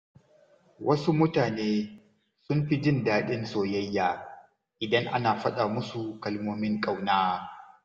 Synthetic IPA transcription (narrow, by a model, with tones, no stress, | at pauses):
wʔɐ˦su˦mʊ˦taː˨neː˦ | sʊ˦mɸi˦d͡ʒɪ˦˨ndaː˦ɗɪ˦nsoː˨jɐ˦jːaː˦ | ʔɪ˨dɐ˦ŋʔa̰˦naː˨ɸɐ˦ɗa˨mʊ˦su˨kɐ˦lmoː˦mɪ˦ŋkʼa˦˨wnaː˦